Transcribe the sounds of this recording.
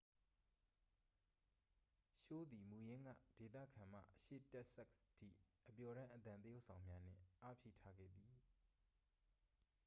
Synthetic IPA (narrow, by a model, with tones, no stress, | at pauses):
ʃo˦˨d̪i˨mu˨jɪ̃˦ŋɡä̰˦˨d̥e˨t̪ä̰˦˨kʰã˨m̥a̰˦˨ʔəʃḛ˦˨tɛ˦ʔsɛ˦ktʰḭ˦˨ʔəpjɔ˨ɾã˦ʔət̪ã˨nt̪əjo˦ʊʔsʰã˨ʊ̃mja˦n̥ɪ̰̃˦˨ʔa˦pʰjḛ˦˨tʰa˦ɡɛ̰˦˨d̪i˨